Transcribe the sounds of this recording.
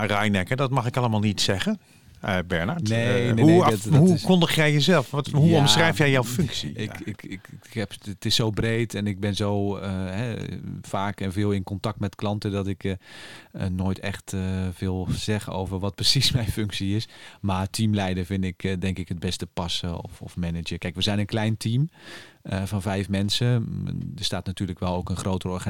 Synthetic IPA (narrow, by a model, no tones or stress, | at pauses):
rajnɛkədɔtmɑχɪkɑləmaːlˠnitsɛɣə | bɛɹnaɹtnenehutɦukɔndəχjɛjjəzɛlˠfɦuɔmsrɛjfjɛjjawfʏŋksḭɪkɪkkhɛpətɪsːowbrejtɛnɪɡ̚bɛnzowəɦɛfaːkɛnvɪːlˠɪnkɔntɑk̚tmɛtklɑntədɑtɪk | noːjtɛ̰xtvɪlˠz̥ɛɣəno̰wvərʋɔt̚prəsismɛjnfʏŋksiɪsmatʰimlɛjdərvɪndɪkdɛŋkɪkɦəd̚bɛstəpɑsəɔ̰fɔ̰fmɛnɪd͡ʒəkɛjkʋəzɛjnənklɛjntʰiməvɔnvɛjfmɛnsədəstaːtnatyːrləkʋɛlˠowkənχrowtərɔrxa